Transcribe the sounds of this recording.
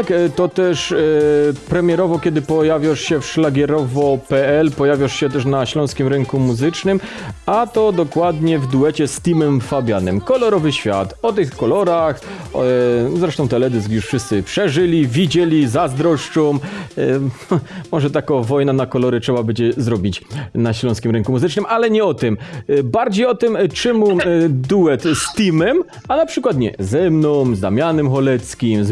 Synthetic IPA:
t̪akt̪ɔt̪ɛʂ | pɾɛmʲjɛɾɔvɔkʲɛd̪ɘpɔjavʲjaʂɕɛfʂlaɡʲɛɾɔvɔpɛɛlpɔjavʲjɔʂɕɛt̪ɛʂ̬naɕlɔ̃w̃skʲimɾɛŋkumuzɘt͡ʂnɘm | at̪ɔd̪ɔkwad̪ɲɛvd̪uɛt͡ɕɛst̪imɛmfabʲjanɘmkɔlɔɾɔvɘɕfʲja̰t̪ɔt̪ɘxkɔlɔɾax | zɾɛʂt̪ɔ̃w̃t̪ɛlɛd̪ɘsɡjuʂfʂɘst̪sɘpʂɛʐɘlʲivʲid͡ʑɛlʲizazd̪ɾɔʂt͡ʂɔm | mɔʐɛt̪akɔvɔjnanakɔlɔɾɘtʂɛbabɛd͡ʑɛzɾɔbʲit͡ɕnaɕlɔ̃skʲimɾɛŋkumuzɘt͡ʂnɘmʔalɛɲɛɔt̪ɪmbaɾd͡ʑejɔt̪ɘmt͡ʂɛmud̪uwɛt̪st̪ʲimɛm | anapʂɘkwat̪ɲɛ̰zɛmnɔ̃w̃zd̪amʲanɘmxɔlɛt̪skʲimz

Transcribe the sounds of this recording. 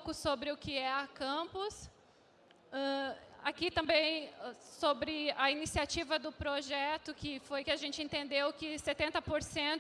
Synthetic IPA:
kʊsobɾɪʊkɪɛɐkɐ̃pʊs | ɛ̃akit̪ɐ̃mbẽj̃sobɾɪɐinisiat͡ʃivɐd̪ʊpɾoʒɛt̪ʊkɪfojkɪaʒẽnt͡ʃɪẽnt̪ẽnd̪ewkɪset̪ẽnt̪ɐpoɾsẽt̪ʊ

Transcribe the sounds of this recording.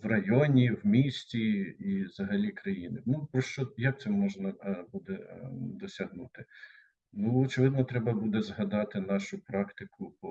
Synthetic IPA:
ʋrɐjɔnʲiwmʲisʲtʲiiʋzɐɦɐlʲikɾɐjinɪnupɾɔʃt͡ʃɔjɐk̚t̪sɛmːɔʒnɐbud̪ɛd̪ɔsʲɐɦnut̪ɪ | nuɔt͡ʃɪʋɪd̪nɔt̪ɾɛbɐbud̪ɛzɦɐd̪ɑt̪ɪnɑʃʊpɾɑkt̪ɪkʰʊpɔ

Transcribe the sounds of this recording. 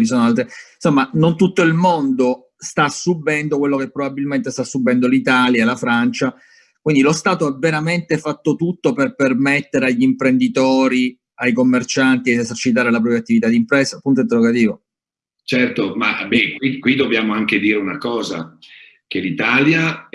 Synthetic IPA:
visoːnoalt̪ɾensomːanont̪ut̪ːoilmond̪o | st̪asːubːɛnd̪okwelːokepːɾobabːilment̪est̪asːubːɛnd̪olit̪aːljalafɾant͡ʃa | kwind̪ilost̪aːt̪oavːeɾament̪efat̪ːot̪ut̪ːoperpermet̪ːeɾeaʎːimpɾend̪it̪oːɾi | ajkomːert͡ʃant̪id̪iezert͡ʃit̪aːɾelapɾɔpjat̪ːivit̪ad̪ːimpɾɛːzapːunt̪oint̪̬erːoɡat̪̬iːvo | t͡ʃɛrt̪oma̰bɛkwikwid̪objaːmoaŋked̪iːɾeunakɔːza̰ | kelit̪alja

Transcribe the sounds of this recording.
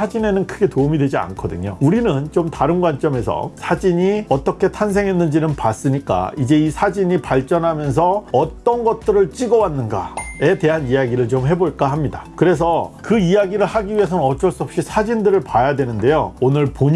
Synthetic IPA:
ad͡ʑine̞nɯnkʰɯɡe̞toumidwe̞d͡ʑia̰nkʰʌdɯ̰ɲouɾinɯnt͡ɕomtaɾɯnɡwant͡ɕ͈ʌme̞sʰʌ̰sʰad͡ʑiɲiʌt͈ʌkʰe̞tʰans̬ʰe̞ŋɦenːɯnd͡ʑinɯnpas͈ɯɲik͈a̰id͡ʑe̞isʰad͡ʑiɲipaɭt͡ɕ͈ʌnɦamjʌns̬ʰʌʌt͈ʌnɡʌt̚t͈ɯɾɯɭt͡ɕ͈iɡʌwanːɯnɡa̰e̞te̞ɦanijaɡiɾɯɭt͡ɕomɦe̞boɭk͈aɦamɲidakɯɾe̞s̬ʰʌkɯijaɡiɾɯɭhaɡiɥiɦe̞sʰʌnnʌt͡ɕ͈ʌɭs͈uʌp̚ɕ͈isʰad͡ʑindɯɾɯɭpajadwenɯnde̞joonɯɭpoɲ

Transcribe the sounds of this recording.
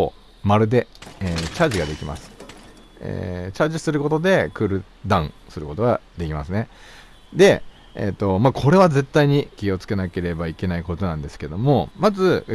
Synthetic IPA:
maɾɯ̟d̪e̞eːt͡ɕaːʑiɡad̪e̞kʲima̰sɨ̥ | ḛt͡ɕaːʑisɨɾɯ̟ko̞t̪o̞d̪e̞kɯ̟ɾɯ̟ | d̪ãɯ̃sɨɾɯ̟ko̞t̪o̞ɡad̪e̞kʲimasɨne̞ | d̪e̞ | ḛt̪ːo̞makʰo̞ɾe̞β̞aze̞t̪ːaiɲ̟ikʲio̞t͡sɨ̥ke̞nake̞ɾe̞baike̞naiko̞t̪o̞nãnd̪e̞sɨ̥ke̞d̪o̞mo̞mazɨ

